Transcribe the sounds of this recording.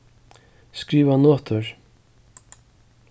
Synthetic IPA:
skɾiːvanɔːt̪ʊɹ

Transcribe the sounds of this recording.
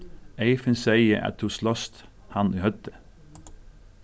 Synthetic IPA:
ʔeɪfənsæɪəʔɑ̰t̪̚d̪uːslɔst̪ | hɑnʔiːhœt̪ə

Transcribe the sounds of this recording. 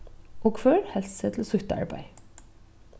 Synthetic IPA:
ʔoːɡ̥føːɾhɛlsət̪ʰl̩oːsʏçt̪əɑ̰ɹbæ̰ɪ

